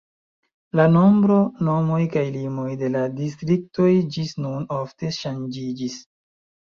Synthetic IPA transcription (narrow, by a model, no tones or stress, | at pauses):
lano̞mbɾo̞no̞mojkajlimo̞jde̞ladis̬tɾik̚to̞jd͡ʒisnuno̞fte̞ʃand͡ʒid͡ʒis